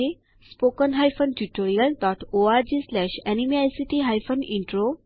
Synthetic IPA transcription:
e | spokənɦajfʰənʈuʈoɾijəldɔːʈoaɾd͡ʑeslɛʃɛnimiajsiʈiɦajfəniɳʈɾo

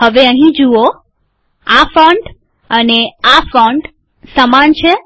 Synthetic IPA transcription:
ɦəʋeəɦĩd͡ʒuo | afə̃ɳɖ | əneafɔ̃ɳɖ | səmant͡ʃʰe

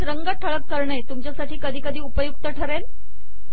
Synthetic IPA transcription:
ɾəŋɡəʈʰəɭəkːəɾɳejt̪umt͡ɕjasaʈiːkəd̪ʱiːkəd̪ʱiːupəjuk̚t̪əʈʰəɾel

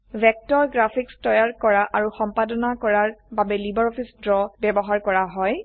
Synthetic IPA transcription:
vɛk̚tɔɹɡɹapʰikstɔjaɹkɔɹaʔaɹuxɔmpadɔnakɔɹaɹbabɛlibɔɹɔpʰisdɹɔbɛbɔɦaɹkɔɹaɦɔj

